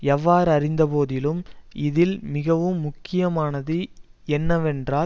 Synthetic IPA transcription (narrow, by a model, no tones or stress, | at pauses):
ɛʋːaːɾɐrɪnd̪ɐpoːðɪlɯmɪðɪlmɪɣɐʋɯmːʊkːɪjɐmaːnɐðɯɛnːɐʋɛndraː